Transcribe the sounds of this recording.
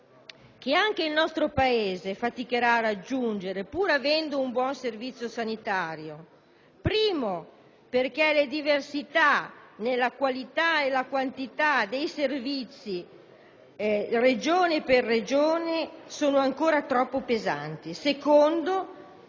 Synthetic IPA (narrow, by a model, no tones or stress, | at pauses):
k̟eaŋk̟eilnɔst̪ɾopaeːzefat̪ikeɾaːrad͡ʒːund͡ʒeɾepuːɾavɛnd̪oumbwɔnservit̪sːjosanit̪aːɾjo | pɾiːmo | perk̟ɛled̪iversit̪anelːakwalit̪aelakwant̪it̪ad̪ejservit̪sːi | red͡ʒoːneperːed͡ʒoːnesoːnoaŋkoːɾat̪ɾɔpːopeza̰nt̪isekond̪o